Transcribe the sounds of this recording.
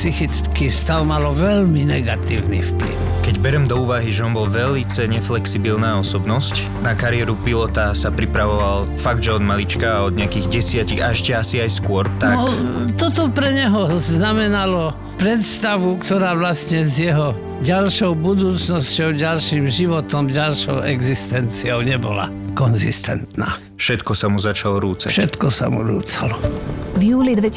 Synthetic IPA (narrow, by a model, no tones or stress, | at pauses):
psixit͡skist̪aʊmalɔʋɛʎminɛɡat̪ḭːʊnḭfplḭʊkɛɟbɛɾɛmd̪ɔuːʋaɦiʒɛɔnbɔlʋɛlit͡sɛɲɛflɛksibilnaːɔsɔbnɔsc | nakaɾɪɛɾupilɔt̪asapɾipɾaʋɔʋal | faɡ̚d̪ʒɛɔd̪malit͡ʃkaːɔd̪̚ɲɛakiɣɟɛsɪaciɣaɛʃcɛasiajskʊɔɾt̪aɔkt̪ɔt̪ɔpɾɛɲɛɦɔznamɛnalɔ | pɾɛt̪st̪aʋukt̪ɔɾaːʋlasɲɛzjɛɦɔ | ɟalʃɔʊbud̪uːt͡snɔscɔʊɟalʃiːmʒiʋɔt̪ɔmɟalʃɔ̰ʊʔɛɡzist̪ɛnt͡siɔʊɲɛbɔla̰ | kɔnzḭst̪ɛ̰nt̪na̰ː | fʃɛt̪kɔsamuzat͡ʃalɔɾuːt͡sa̰ʃɛt̪kɔsa̰mṵɾṵːt͡salɔvjuːlid̪ʋɛ